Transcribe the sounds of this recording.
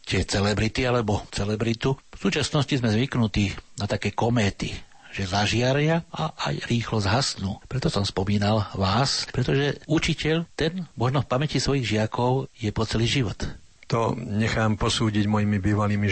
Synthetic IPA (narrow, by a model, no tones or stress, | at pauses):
t̪ɪɛt͡sɛlɛbɾit̪ialɛbɔt͡sɛlɛbɾit̪ufsuːt͡ʃasnɔscizmɛzʋiknut̪iːnat̪akɛːkɔmɛːt̪i | ʒ̥ɛzaʒɪaɾɪaʔaʔa̰jɾiːxlɔzɦasnuːpɾɛt̪ɔsɔmspɔmiːnalʋaːspɾɛt̪ɔʒɛut͡ʃicɛʎt̪ɛnmɔʒnɔfpamɛcisʋɔjiɣʒɪakɔʊjɛpɔt͡sɛliːʒiʋɔt̪ | t̪ɔɲɛxaːmpɔsuːɟiɟmɔjimibiːʋaliːmi